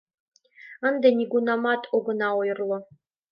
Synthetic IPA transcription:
and̪ɐniɡʷunamatʼɔɡʷʊnawjɪrlɔ

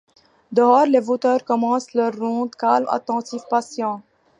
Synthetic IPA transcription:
d̪əɔːʁlevot̪œʁkɔmɑ̃slœʁːɔ̃d̪kalma̰t̪ɑ̃t̪ifpasjɑ̃

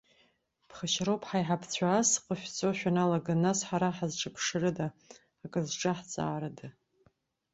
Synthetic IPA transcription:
pʰχəʃrowpʰħajħapʰt͡sʷʰaːsqʼofʲᶣt͡sʼoʃᶣanalaɡanasħaɾaħazʈ͡ʂʼɨpʰʂɨrɨdaː | kʼɨzʈ͡ʂʼaħt͡sʼa̰ːɾadɨ

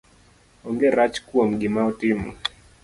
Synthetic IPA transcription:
ɔŋɡeɾat͡ʃkuom̩ɡɪmaɔtɪmṵ

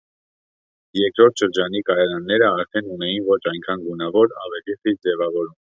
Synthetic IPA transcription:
jɛɾkɾɔɾt̪ʰʃəɾd͡ʒɑnikɑɾɛɾɑnːɛɾəɑɾt̪ʰɛnunɛjinvɔt͡ʃʰɑjŋkʰɑnɡunɑvɔɾɑ̰vɛliχit̪d͡zɛvɑvɔɾum

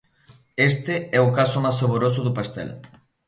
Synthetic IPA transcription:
est̪eɛukasʊmasoβoɾos̬ʊðupast̪ɛ̰l

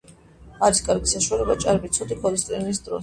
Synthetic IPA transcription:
aɾiskʼaɾɡisaʃualɛbat͡ʃʼaɾbit̪sʰɔd̪ikʰɔlɛst̪ʼḭnis̬d̪ɾɔ̰

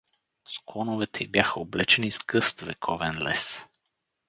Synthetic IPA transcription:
sklˠɔnovɛt̪ʰɛibjaxəoblɛt͡ʃɛniskɤst̪vɛ̰kʰɔvɛnlɛs

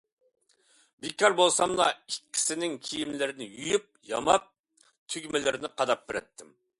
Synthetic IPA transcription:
bekʰʲɑɾbolˠsɑmlˠɑ̰ikʲʰːi̥sɪnɪŋkʲʰijimlɪɾɪnɪjyjyp̚jɑ̰mɑp̚ | t̪ʰyɡʲmɪlɪɾɪnɪqʰɑd̪ɑp̚bɪɾɛ̰t̪ʰːɪm

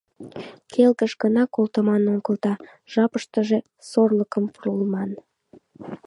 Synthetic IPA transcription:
kʰelkəʃɡənɑkolˠt̪əmɑnoŋɡəlt̪ɑ | ʒ̥ɑpəʃt̪əʒe̽ | sorləkəmpuɾulmɑn

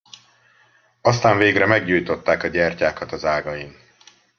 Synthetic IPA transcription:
ɒst̪aːɱveːɡrɛmɛɡɟuːjt̪o̞t̪ːaːkɒɟɛrcaːkɒt̪ɒzaːɡɒjim

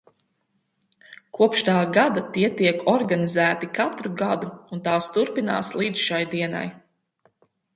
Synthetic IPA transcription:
kʰuɔpʃt̪aːɡad̪at̪iɛt̪iɛkɔɾɡanizæːt̪ikat̪ɾuɡad̪uunt̪aːst̪uɾpina̰ːslˠiːd̪zʃajd̪iɛna̰j

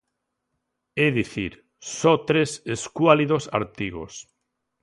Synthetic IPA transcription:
eðiθiɾ | sɔt̪ɾeseskwaliðosa̰ɾt̪iɣo̰s

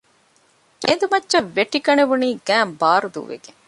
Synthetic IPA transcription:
eːnd̪umɐtːʃɐʋːeʈikɐneʋuniːɡæːmbaːɾud̪ṵːʋḛɡe

